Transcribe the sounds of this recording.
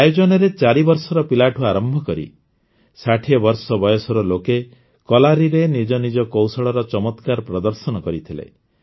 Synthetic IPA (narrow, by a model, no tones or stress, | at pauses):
ajod͡ʒɔnɔɾet͡ʃaɾibɔɾsɔɾɔpilaʈʰuaɾɔmbʱɔkɔɾḭ | saʈʰiɔbɔɾsɔbɔjɔsɔɾɔloke | kɔlaɾiɾenid͡ʒɔnid͡ʒɔkowsɔɭɔɾɔt͡ʃɔmɔt̪kaɾpɾɔd̪ɔɾsɔnɔkɔɾit̪ʰilḛ